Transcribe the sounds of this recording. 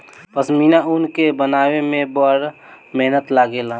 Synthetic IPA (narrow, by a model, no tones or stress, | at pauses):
pəsminaʊnkebənaːwemẽbəɾ | mɛɦnət̪laɡela